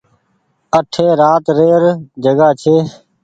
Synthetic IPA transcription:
əʈʰeːɾaːt̪ɾeːɾd͡ʒəɡaːt͡ʃʰeː

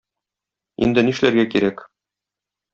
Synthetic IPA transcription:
ḭnd̪ɘniʃlæɾɡækiɾæk

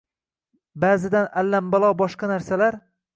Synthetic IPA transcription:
baːzɪd̪analːambalˠɒbɒʃqɑnaɾsalaɾ

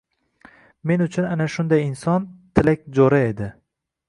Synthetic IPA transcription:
me̞nʊt͡ʃʰʊnanaʃʊnd̪ajɪnsɒnt̪ʰɪlak̚ʲd͡ʒɒɾae̞d̪ɪ

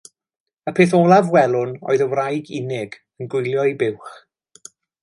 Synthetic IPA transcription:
əpʰeːθoːlˠavwɛlˠʊno̰ːɨðəwrajɡɪ̰nɪɡ | ənɡʊjlˠjɔjbɪwχ

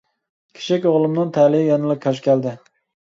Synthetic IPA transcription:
kʲʰe̥ʃʰɪkʲoʁlˠɨmnɨnt̪ʰælɪjɑnɨlˠɨp̚kʲʰɑʃ̬kʲʰɛld̪ɪ

